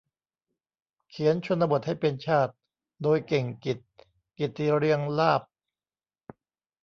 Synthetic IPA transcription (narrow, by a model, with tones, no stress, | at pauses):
kʰi˩˦ənt͡ɕʰo˧nɾa˧bo˨˩t̪̚ha˥˩jpe˧nt͡ɕʰaː˥˩t̪̚ | doː˧jke˨˩ŋki˨˩t̪̚ | ki˨˩t̪ːi˧ɾi˧əŋlaː˥˩p̚